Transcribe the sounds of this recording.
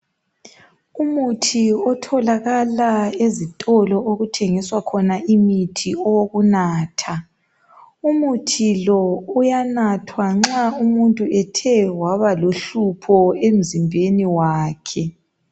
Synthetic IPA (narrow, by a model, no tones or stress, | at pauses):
umutʰiɔtʰɔlaɣalaezitʼɔlɔoɣutʰeŋiswakʰɔnaʔimitʰiɔɣunaːtʰa | umutʰilɔujanatʰwaŋ͡ǁaumuntʼuʔɛtʰɛwaβaloɬupʰɔem̩zimbʱeniwaːkʰɛ